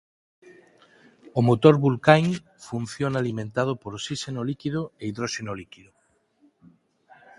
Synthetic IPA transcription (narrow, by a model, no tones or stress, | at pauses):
omot̪oɾβulkaŋ | fun̟θjonalimẽnt̪að̞opoɾsisenolikiðoeiðɾoʃenolikiðo